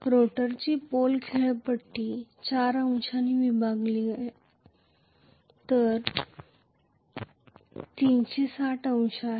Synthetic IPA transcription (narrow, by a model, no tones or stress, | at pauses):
ɾoʈəɾt͡ɕiːpolkʰeɭpəʈʰːit͡ɕaːɾəw̃ɕaniʋibaɡlia | t̪əɾ | t̪iːnt͡ɕesaʈʰəũɕa